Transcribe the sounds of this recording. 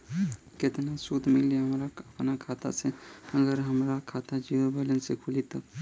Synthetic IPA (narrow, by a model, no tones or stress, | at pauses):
kɪt̪nasut̪mɪliɦəmɾaəpnakʰaːt̪a̰seəɡəɾɦəmɾakʰaːt̪ad͡ʒiʋobələnsekʰulit̪ə